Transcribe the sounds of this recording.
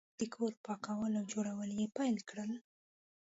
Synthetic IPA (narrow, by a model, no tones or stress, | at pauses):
d̪̥əkʰoɾpɑkawəlawd͡ʒoɽawəljepajlkɽəl